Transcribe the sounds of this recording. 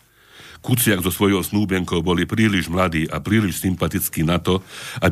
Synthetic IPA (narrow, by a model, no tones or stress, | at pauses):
kut͡sɪaɡzɔsʋɔjɔʊsnuːbɛŋkɔʊbɔlipɾiːliʒmlad̪iːʔapɾiːliʃsimpat̪it͡skiːnat̪ɔab